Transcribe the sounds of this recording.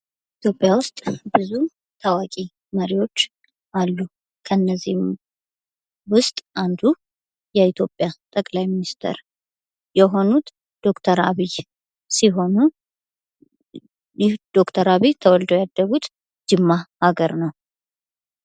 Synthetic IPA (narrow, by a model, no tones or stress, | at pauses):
ʔit̪ʰjo̞pʼjawʊst̪ʼbɨzu | t̪ʰawakʼi | məɾiwo̞t͡ʃː | ʔalːu | kʰənːəzːihm | wʊst̪ʼʔand̪u | jɛit̪ʰjo̞pʼjat̪ʼəkʼlajminist̪ʰə̰ɾ | jɛɦo̞nut̪ | d̪̥o̞kt̪ʰəɾa̰βij | siɦo̞nu | d̪̥o̞kt̪ʰəɾaβit̪ʰəwɔld̪əwjad̪ːəɡut̪ | d͡ʒɨmːahaɡəɾnəw